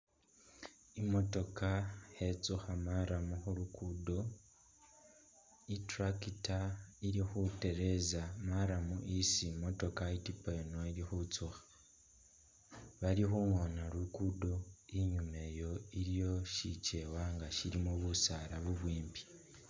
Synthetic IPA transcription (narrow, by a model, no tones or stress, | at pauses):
imo̞to̞kahet͡suxamaɾamuxuɾukudo̞ | itɾakitaiɾixute̞ɾe̞zamaɾamuʔisimo̞to̞kaitipajonoiɾixut͡suxḁ | βaɾixuŋonaɾukudo̞iɲume̞jo̞iɾjo̞ʃit͡ʃe̞waŋɡaʃiɾimuβusaɾaβuβwiːmbi̥